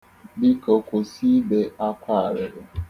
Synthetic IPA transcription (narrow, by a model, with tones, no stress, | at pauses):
bi˦ko˨ko˨si˦be˦a˦kʷa˦a˨ɾɪ˨ɾɪ˨